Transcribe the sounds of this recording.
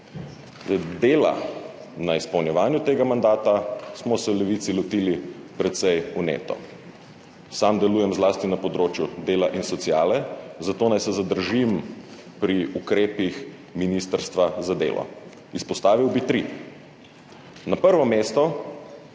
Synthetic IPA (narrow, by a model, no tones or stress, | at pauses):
d̪eːla̰ | naispɔwnjɛʋaːnjut̪eːɡamand̪aːt̪asmɔsɛwlɛʋit̪silɔt̪iːlipɾɛt̪sɛjunḛːt̪ɔ̰ | samd̪ɛluːjɛmzlaːst̪inapɔd̪ɾoːt͡ʃjud̪eːlaʔinsɔt̪siaːlɛzat̪oːnajsɛzad̪əɾʒim | pɾiukɾeːpix | minist̪əɾst̪ʋazad̪ḛːlʔɔ̰ | ispɔst̪aːʋiwbit̪ɾi | napəɾʋɔmeːst̪ɔ